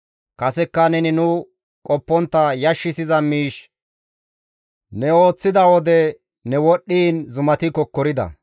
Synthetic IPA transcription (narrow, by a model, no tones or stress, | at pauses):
kɐsɛkːɐnɛnɪnʊ | kʼɔpːɔnt̪ːɐjɐʃːɪsɪzɐmiːʃ | nɛo̞ːt͡sːɪd̪ɐwɔd̪ɛ | nɛwɔɗːiːnzʊmɐt̪ɪkɔkːɔɾɪd̪ɐ̰